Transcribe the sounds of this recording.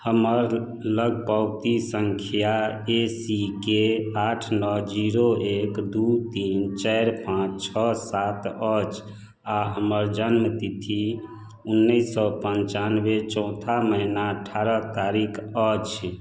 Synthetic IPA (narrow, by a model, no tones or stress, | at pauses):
həməɾ | ləɡ̚pawt̪isəŋkʰjaesikeaʈʰnɔd͡ʒiɾoekd̪ut̪int͡ʃajɾpãt͡ʃt͡ʃʰɔsat̪ət͡ʃ | aɦəməɾd͡ʒənmət̪it̪ʰi | unːəisɔpəɲt͡ʃanʋet͡ʃɔ̃ʊ̃t̪ʰaməɦinaəʈʰaɾət̪aɾikʰət͡ʃʰ